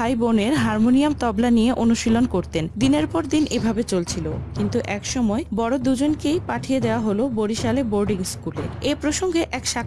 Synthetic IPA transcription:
ajboneɾɦaɾmoniamt̪ɔblanijeʔonuʃilonkoɾt̪end̪ineɾpɔɾd̪inʔebʱabet͡ɕolt͡ɕʰilokint̪uʔɛkʃɔmɔebɔɽod̪ud͡ʑonkejpaʈʰijed̪eoaɦoloboɾiʃaleboɾɖiŋskuleepɾoʃoŋɡeʔɛkʃa

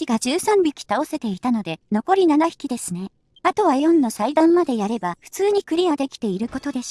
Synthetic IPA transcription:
kʲiɡaʑɨːsãmbʲikʲi̥t̪ao̞se̞t̪e̞it̪ano̞d̪e̞no̞ko̞ɾʲinanaçi̥kʲid̪e̞sɨne̞ | at̪o̞β̞ajõ̞nːo̞said̪ãmːad̪e̞jaɾe̞baɸɯ̥t͡sɨːɲ̟ikɯ̟ɾʲiad̪e̞kʲi̥t̪e̞iɾɯ̟ko̞t̪o̞d̪e̞ɕ

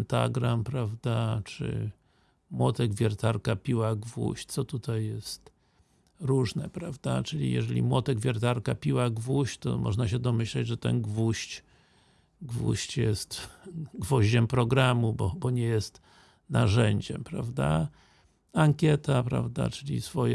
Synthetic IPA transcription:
nt̪a̰ɡɾampɾavd̪at͡ʂɘ̰ | mwɔt̪ɛɡvʲjɛɾt̪aɾkapʲiwaɡvṵɕt͡ɕ̪sɔt̪ut̪ajːɛst̪ | ɾuʐnɛpɾavd̪at͡ʂɘlʲḭjɛ̰ʐɛlʲḭmwɔt̪ɛɡvʲjɛɾt̪aɾkapʲiwaɡvuɕt͡ɕt̪ɔ̰mɔ̰ʐnaɕɛd̪ɔmɘɕlɛd͡ʑʐɛt̪ɛ̰nɡvuɕt͡ɕ | ɡvṵɕt͡ɕjɛst̪ɡvɔʑd͡ʑɛmpɾɔɡɾamubɔbɔɲɛjɛst̪ | naʐɛɲd͡ʑɛmpɾavd̪a̰ | aŋkʲjɛt̪apɾa̰vd̪a̰t͡ʂɘlʲḭsfɔjɛ

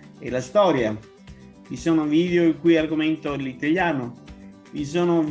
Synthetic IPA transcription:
ɛlast̪ɔːɾja | visoːnoviːd̪eoiŋkujarɡoment̪olit̪aʎjaːno | vis̬oːnov

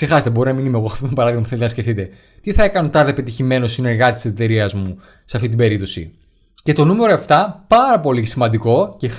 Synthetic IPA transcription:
sexɐsðebo̞ɾinɐminimeɣosɐft̪ot̪obɐɾɐðiɣmɐpu̥θelt̪enɐsce̞fθit̪e̞ | t̪iθɐekɐnot̪ɐðepe̞t̪içime̞no̞sine̞ɾɣɐt̪t̪iset̪e̞ɾiɐzmu | seɐft̪it̪ibe̞ɾip̚t̪o̞sḭ | ce̞t̪o̞nume̞ɾo̞eft̪ɐpɐɾɐpo̞lisimɐnd̪iko̞ce̞x

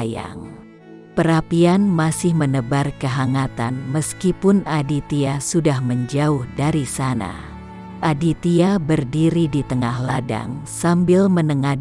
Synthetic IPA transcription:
ja̰ŋ | pəɾapianmasɪhmənəbarkəɦaŋat̪anməskipʊnadit̪iasudahməɲd͡ʒaʊhdaɾisana̰ | ʔadit̪iabərdiɾidit̪əŋahlada̰ŋsambɪlmənəŋa

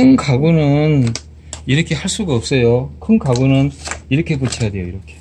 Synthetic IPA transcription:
kʰɯnkaɡunɯn | iɾʌkʰe̞haɭs͈uɡaʌp̚s͈ʌjokʰɯnkaɡonɯniɾʌkʰe̞put͡ɕʰejadwejoiɾʌkʰe̞̥

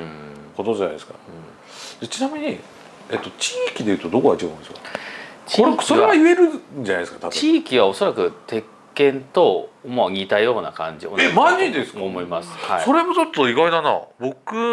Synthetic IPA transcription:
kot̪od͡ʑana̰jd̪eska̰ɯ̃ | d̪̥et͡ɕinamʲiɲ̟i | et̪ːo̞t͡ɕiːkʲid̪e̞jɯ̟ːt̪o̞d̪o̞koat͡ɕiɡaɯ̟̃neskat͡ɕt͡ɕkiɾesoeaɡaɯe̞ɾɯ̟ɲd͡ʑanajd̪eskat̪at͡ɕiːkʲiβ̞ao̞so̞ɾakɯ̟t̪ʰe̞kkːẽ̞nt̪o̞moɲ̟ʲit̪ajo̞ːnakãɲ̟d͡ʑio̰emaɲid̪esɨ̥komo̞imasɨ̥haso̞ɾe̞mot͡ɕot̪ːoiɡaid̪ana̰bo̞kɯ̟

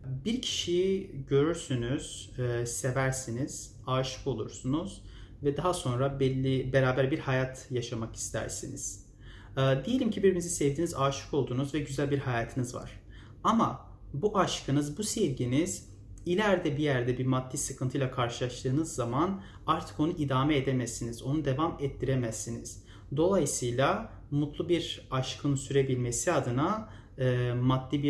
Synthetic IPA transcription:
biɾcʰi̥ʃijɟø̞ɾyɾsynyz̥se̞væɾsiniz̥ | aːʃɯ̥ko̞lˠṵɾsunuz̥ | vɛd̪aɦaso̞nɾabɛlʲːibe̞ɾaːbæɾbiɾhajat̪ʰjaʃamaki̥st̪ʰæ̰ɾsinḭz̥ː | d̪ejelʲimcʰibiɾimizisɛvd̪iːnizaːʃɯ̥kʰo̞lˠd̪uːnuzvɛɟyzælʲbiɾhajaːt̪ʰɯnizva̰ɾ̥ | ama | buʔaʃkʰɯnɯzbusevɟiniz̥ | ilʲæɾd̪ɛbijæɾd̪ɛbiɾmad̪ːisɯkʰɯnt̪ʰɯjlˠakʰaɾʃɯlˠaʃt̪ʰɯːnɯzːaman | aɾt̪ʰɯ̥ko̞nuʔid̪aːmɛed̪emɛsinizo̞nud̪e̞vamɛt̪ʰːiɾemɛsinḭz̥ | d̪o̞lˠajɯsɯjlʲˠa | mut̪ʰlˠubiɾaʃkʰɯnsyɾebilʲmesiad̪ɯnaː | mad̪ːibi

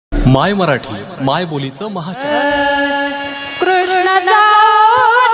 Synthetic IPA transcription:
majməɾaʈʰiː | majbolit͡səməɦat͡ɕa | kɾ

